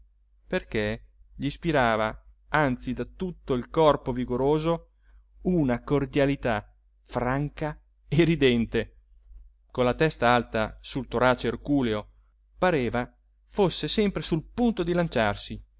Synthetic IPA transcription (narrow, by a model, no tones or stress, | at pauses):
perkeʎispiɾaːva | ant̪sid̪at̪ut̪ːoilkɔrpoviɡoɾoːzo | unakord̪jalit̪a | fɾaŋka | eɾid̪ɛnt̪e | konlat̪ɛst̪aalt̪asult̪oɾaːt͡ʃeerkuːleo | paɾeːva | fosːesɛmpɾesulpunt̪od̪ilant͡ʃarsi